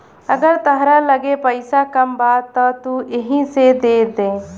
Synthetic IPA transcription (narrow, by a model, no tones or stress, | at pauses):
ɐɡɐɾt̪ɐɦɾalɐɡepɐjsakɐmbaːt̪ːɔt̪uːeɦĩsed̪eːd̪eː